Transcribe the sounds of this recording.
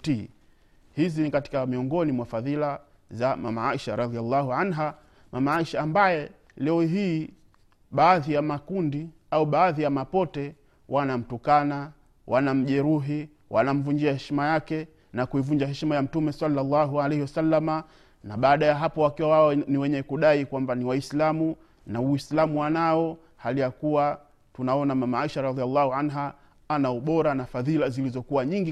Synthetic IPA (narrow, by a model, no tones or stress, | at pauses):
ti | hizinikati̥kamiɔŋɡɔnimwafaðila | zama̰maaiʃaɾɑðialːahuʕanɦa | mamaaiʃaːmbajɛ | lɛɔɦiː | ɓaːðijamakundi | auɓaːðijamapɔtɛ | wʔanam̩tukana | wʔanam̩ʄɛɾuɦi | wanam̩vuɲd͡ʒiahɛʃimajakɛ | nakuivuɲd͡ʒaɦɛʃimajam̩tumɛsɑlːalːɑɦualɛhiwasalːama | naɓaːɗajaɦapɔwakiwawaɔniwɛɲɛkuɗaikwambaniwaislamu | nauislamuwanaɔ | halijakuwa | tunaɔnamamaaiʃaɾɑðialːahuanɦa | anauɓɔɾanafaðilazilizɔkuwaɲiŋɡi